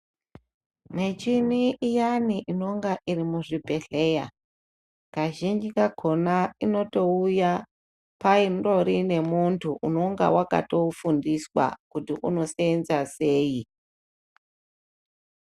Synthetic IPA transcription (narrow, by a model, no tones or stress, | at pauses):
ne̞t͡ʃiniijaniʔino̞ŋɡaʔirimuʐibʱe̞ɬe̞ja | kaʒind͡ʒikaɡʱo̞naino̞to̞uja | painro̞ɾine̞muntʰuʔuno̞ŋɡa̰waka̰to̞fundiswa̰kutiʔuno̞seenzase̞ːi